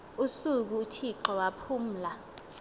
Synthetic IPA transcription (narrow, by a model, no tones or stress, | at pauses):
usuk̬utʰiǁɔwapʰum̩ːla